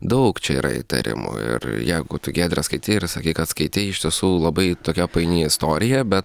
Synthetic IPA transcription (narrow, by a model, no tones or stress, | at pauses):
d̪ɐʊkt͡ʃʲɛḭːɾɐ̰ɪ̰t̪ɐ̰ɾʲɪ̰mʊ̰ɪ̰rjɛɪɡʊt̪ʊɡʲeːd̪ʲɾʲɛskɐɪt̪ʲɪɪrsɐkʲiːkɐt̪skɐɪt̪ʲɪɪɪʃʲt̪ʲiɛsuːlˠɐbɐɪt̪oːkʲɛpɐɪnʲiːɪst̪oːɾʲɪjɛbʲɛt̪